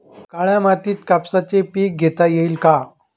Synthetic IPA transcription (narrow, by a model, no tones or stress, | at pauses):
kaɭjamat̪iːt̪kapsat͡sepiːk̚ɡʱet̪ajeiːlka